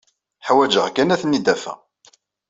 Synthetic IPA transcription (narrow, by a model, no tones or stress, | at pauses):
ħwæd͡ʒəʁkænæθənːid̪æfæ̰